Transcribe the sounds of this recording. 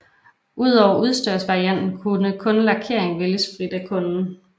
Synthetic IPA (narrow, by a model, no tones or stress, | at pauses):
ʔuð̞̰ˠɒʊ̰ɐʔuð̞ˠsd̥øɐ̰sʋɑ̈ʁiæn̰d̥n̩kʰunəkʰɔ̽nlɑ̈kʰe̝ɐ̰eŋʋeləsfʁid̥ækʰɔ̽nn̩